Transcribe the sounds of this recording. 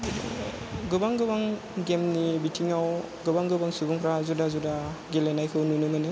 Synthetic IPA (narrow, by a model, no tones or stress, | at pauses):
ɡɯbaŋɡɯbaŋ | ɡemnibitʰiŋaw | ɡɯbaŋɡɯbaŋsubuŋpʰɾazudazudaɡelenajkʰɯwnunɯmɯnɯ